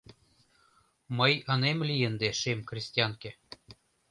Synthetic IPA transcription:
mɤjɤ̆nemlʲijend̪eʃemkrʲisʲt̪ʲijɑŋke

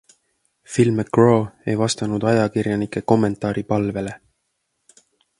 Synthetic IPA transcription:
filmekroːejvɑst̪ɑnud̪̥ɑjɑkirjɑnikːˑe̞ko̞mːe̞nt̪ˑɑːɾipɑlve̞le̞

